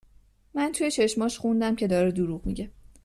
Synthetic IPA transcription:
mænt̪ʰuje̞t͡ʃʰe̞ʃmɒːʃxund̪æmcʰe̞d̪ɒːɾed̪uɾuʁmḭɟʲe

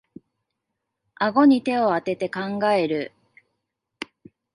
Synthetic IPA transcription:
aɡo̞ɲ̟it̪e̞o̞at̪e̞t̪e̞kãŋɡae̞ɾɯ̟

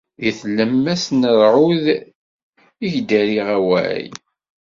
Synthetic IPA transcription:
jəθləmːæsnəɾʕʊð | iʝd̪æɾiʁæwæ̰j

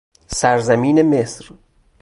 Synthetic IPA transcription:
sæɾzæmiːnemesɾ

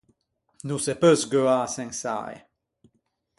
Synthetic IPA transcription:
nusepøsɡøasɛ̃ŋsa̰j̰

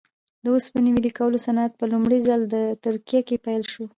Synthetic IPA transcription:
d̪əospəniwilikawəlosanat̪̚pəlumɽizald̪ət̪ʊɾkijakepajlʃo

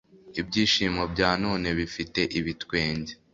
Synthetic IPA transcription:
ibɟiːʃiːmobɟaːnoːne̞βifite̞ʔiβitwe̞ːɲɟe

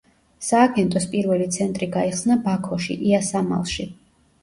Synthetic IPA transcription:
saːɡɛnt̪ʼɔspʼiɾvɛlit̪sʰɛnt̪ʼɾiɡaiχsnabakʰɔʃḭʔiasama̰lˠʃi

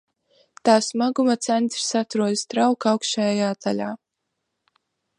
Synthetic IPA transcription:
t̪aːsmaɡumat̪sɛnt̪ɾi̥sat̪ɾuɔd̪st̪ɾawkawkʃajajaːt̪aʎʲaː

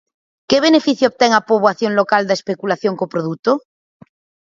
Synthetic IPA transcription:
keβ̞enefiθjoβ̚t̪eŋapoβwaθjoŋlokald̪aespekulaθjoŋkopɾoðut̪o

